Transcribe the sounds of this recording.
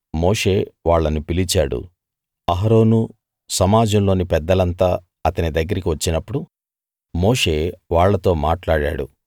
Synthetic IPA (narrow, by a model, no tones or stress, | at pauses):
mo̞ːʂe̞ːʋaːɭːɐnupilit͡ʃaːɽṵ | ɐɦɾo̞ːnu | sɐmaːd͡ʒɐmlo̞ːnipɛd̪ːɐlɐnt̪aː | ɐt̪ɐnid̪ɐɡːɐɾikiʋɐt͡ʃːinɐpːuɽu | mo̞ːʂe̞ːʋaːɭːɐt̪o̞ːmaːʈlaːɽa̰ːɽṵ